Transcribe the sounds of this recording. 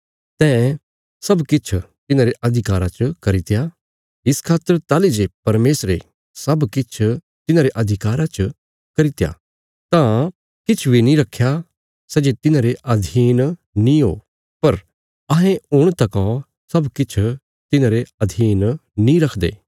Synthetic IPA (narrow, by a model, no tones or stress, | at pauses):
t̪ɛ̃ː | sɐbkɪt͡ʃʰ | t̪ɪnãːɾeʔɐd̪ʱɪkaːɾat͡ʃəkɐɾɪt̪ja | ɪskʰaːt̪ːəɾt̪aːlid͡ʒepɐɾmeːsɾe | sɐbkɪt͡ʃʰ | t̪ɪnãːɾeʔɐd̪ʱɪkaːɾat͡ʃə | kɐɾɪt̪ja̰ | t̪ã | kɪt͡ʃʰʋinĩɾɐkʰːja | sɛd͡ʒet̪ɪnãɾeʔɐd̪ʱiːn | nĩɦo̰ː | pɐɾ | ɐɦɛ̃ʊɽ̃t̪ɐkɔ̃ | sɐbkɪt͡ʃʰ | t̪ɪnãːɾeɐd̪ʱiːnnĩɾɐkʰd̪ḛː